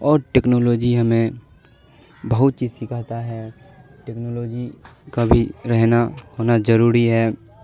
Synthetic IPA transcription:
ɔːɾʈeːknoːloːd͡ʒiɦəmẽ | bəɦʊt̪̚t͡ʃiːzsɪkʰat̪aɦɛː | ʈeːknoːloːd͡ʒikabʱiɾɛɦnahoːnazəɾuːɾiɦɛː

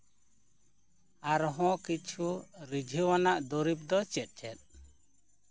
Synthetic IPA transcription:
aɾɦɔ̃kit͡ʃʰuɾid͡ʒʱiwanaʔd̪ɔɾip̚d̪ɔt͡ʃɛt̪̚ˀt͡ʃʰɛt̪̚

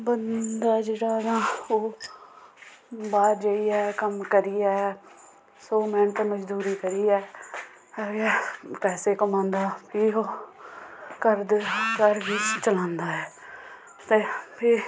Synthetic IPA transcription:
bənd̪aːd͡ʒeːɽaːnãːoː | baːɾd͡ʒaiːɛːkəmkəɾiːɛː | soːmɛ̃ːɳt̪eməd͡ʒd̪uːɾiːkəɾiːɛː | ɡɛːpɛːseːkəmãːnd̪aːpʰioː | kəɾd̪ekəɾʋiːst͡ʃəlãːnd̪aːɛː | t̪eːpʰɪ

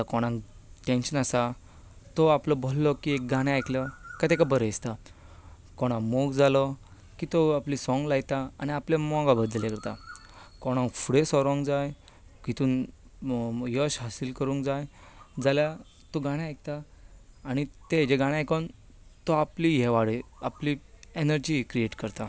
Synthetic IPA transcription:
akɔɽ̃ãŋʈẽnɕənasa | t̪ɔaplɔbʱɔlːɔkiek̚ɡaɽ̃eajkləkat̪ekabəɾəist̪a | kɔɽ̃ãmoɡd͡zalɔ | kit̪ɔaplisɔ̃ŋɡlajt̪aañiaplemɔ̃ŋɡabəd̪ljẽkəɾt̪a | kɔɽ̃ãŋfuɽesɔɾɔ̃ŋɡd͡zaj | kit̪uːn | jɔɕɦasilkəɾũŋkd͡zajd͡zalja | t̪oɡaɽ̃ãajk̚t̪aː | ñit̪ed͡ʑeɡaɽ̃ajkɔn | t̪ɔaplijɛʋaɽeaplienəɾd͡ʑikɾieʈkəɾt̪a

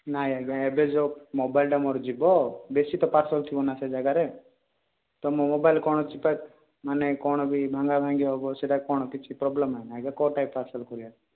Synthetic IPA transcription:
najaɡaɛbed͡ʒomobaɪlɖamɔɾd͡ʒibɔbesit̪ɔpaɾsɔlt̪ʰiɔnased͡ʒaɡaɾe | t̪ɔmomobaɪlkɔɽ̃ɔt͡ʃipat̪ | manekɔɽ̃ɔbʱibʱãŋɡabʱaŋɡiɦɔbɔseɖakɔɽ̃ɔkɪt͡ʃʰipɾɔbləmanaɡakɔʈajpːaɾsəlkɔɾia

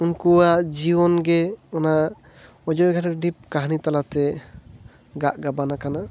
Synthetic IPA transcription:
unkuwaʔd͡ʒibɔnɡɛɔna | ɔd͡ʒɔjɡʱaʈaɖip̚kaɦnit̪alat̪ɛ | ɡaʔɡabanakana

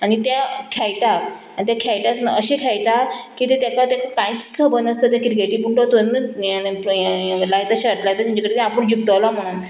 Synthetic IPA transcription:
añit̪akʰɛjʈak | ait̪jakʰɛjʈasnəɕiːkʰɛjʈakit̪et̪akat̪akakãjit͡ssəbənd̪əst̪at̪̬jakiɾiɡeʈiːpuɳʈot̪onəplajt̪aɕʈ̪lajt̪amuɲd͡ʑakəɽit̪ɛapəɳd͡ʑuk̚t̪əʋlam̤əɽ̃uːn

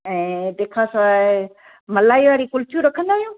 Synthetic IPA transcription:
ɛ̃ːd̪eːkʰasã | mɐlaːiʋaːɾikʊlt͡ɕuɾɐkʰə̃nd̪aːɦijũː

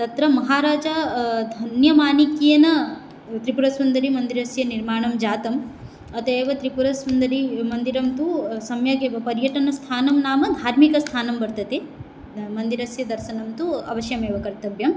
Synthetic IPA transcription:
t̪ɐt̪ɾɐmɐɦaːɾaːd͡ʒɐd̪ʱɐnjɐmaːnikijɐnɐ | t̪ɾipuɾɐsʋɐnd̪ɐɾimɐnd̪iɾɐsjɐniɾmaːɳɐmd͡ʒaːt̪ɐm | ɐt̪eːʋɐt̪ɾipuɾɐsʋund̪ɐɾimɐnd̪iɾɐmt̪usɐmjɐkepɐɾjɐʈɐnɐst̪ʰaːnɐmnaːmɐd̪ʱaːɾmikɐst̪ʰaːnɐmbɐɾt̪ɐt̪e | mɐnd̪iɾɐsjɐd̪ɐɾʃɐnɐmt̪uɐ̰ʋɐʃjɐmeːʋɐkɐɾt̪ɐbjɐm

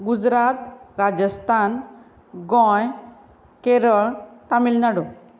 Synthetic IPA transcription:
ɡud͡zɾat̪ɾad͡ʑəst̪ʰan | ɡɔ̃j | keɾəɭt̪amilnaɽo

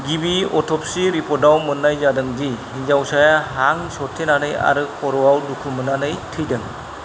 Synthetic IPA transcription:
ɡibiɔtʰɔp̚siɾipʰɔɾdawmɯnːajzadɯŋd͡ʒi | ind͡ʒawsajaɦaŋsɔtʰenanɯja̰ɾɯkʰɔɾɔwawdukʰɯmɯnanɯjtʰɯjdɯŋ

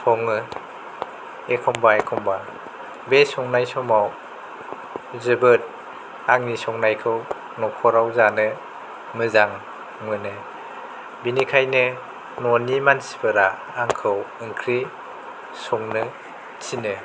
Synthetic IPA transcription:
sʰɔŋɯ | ekʰɔmbaekʰɔmba | besɔŋnajsɔmaw | zɯbɯt̚ | aŋnisɔŋnajkʰɯw | nɔkʰɔɾawzanɯ | mɯzaŋ | mɯnɯ | binikʰajnɯ | nɔnimansi̥pɯɾaː | ŋkʰɯwɯŋkʰɾi | sɔŋnɯ | tʰinɯ

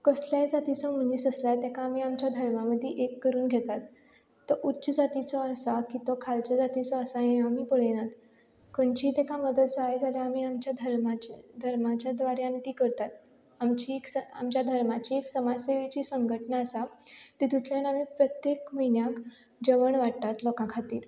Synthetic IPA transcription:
kəsljajd͡zat̪it͡sɔmuniːsəslat̪ɛkʰaːmiamt͡ɕjad̪ʱəɾmaməd̪ʱːjeʔekːəɾuːnɡʱet̪at̪ː | ɔʔutːɕəd͡zat̪it͡sɔəsakit̪ɔkʰalt͡səd͡zat̪it͡sɔəsaɦẽam̤iːpəɭ̤enat̪ | kənt͡ɕiːt̪ɛkʰaməd̪ət̪d͡zajd͡zʱaljaamiːamt͡ɕjad̪ʱəɾmat͡ɕed̪ʱəɾmat͡ɕjad̪ʋaɾjant̪iːkəɾt̪at̪̚ | amt͡ɕieksəa̰mt͡ɕjad̪ʱəɾmat͡ɕiːeksəmaseʋet͡ɕiːsəŋɡəʈnaəsat̪it̪ut̪ʰljanamiːpɾət̪jekm̤əɦinjak | d͡ʑəʋəɳʋaʈt̪at̪lɔkãkʰat̪iːɾ

